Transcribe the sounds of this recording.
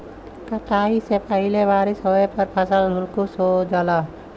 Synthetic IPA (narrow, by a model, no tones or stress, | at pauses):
kəʈ̪aːisepəɪleʋaːɾɪsɦoepəɾpʰəsəldʱʊlkusod͡ʒala